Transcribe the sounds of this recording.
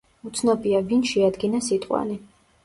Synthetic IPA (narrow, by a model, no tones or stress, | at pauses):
ut̪sʰnɔbʼiavinʃɛad̪ɡinasit̪ʼqʼwa̰ni